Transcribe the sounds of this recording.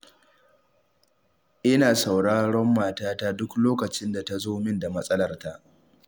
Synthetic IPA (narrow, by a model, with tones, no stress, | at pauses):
ʔɪ˦naː˨sa˨wɽaː˦ɽɔ˦mːaː˨taː˦taː˦dʊ˦kloː˦kɐ˨t͡ʃɪ˦nda˨ta˨zoː˦mɪ˦nda˨mɐ˦sʼɐ˦lɐ˨rta˦ʔ